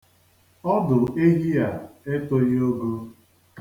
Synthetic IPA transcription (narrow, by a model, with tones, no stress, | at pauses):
ɔ˦dʊ˨e˦ɦi˦a˨e˦to˦jo˦ɡo˦